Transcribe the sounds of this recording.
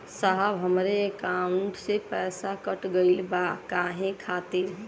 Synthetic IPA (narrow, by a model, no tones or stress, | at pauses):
saɦəbɦəmɾeekãːʊɳɳʈsepɛːsakəʈɡəɪlbakaːɦẽkʰaːt̪eɦ